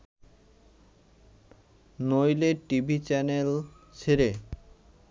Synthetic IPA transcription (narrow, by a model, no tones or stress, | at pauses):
nojleʈibʱit͡ɕɛnel | t͡ɕʰeɾe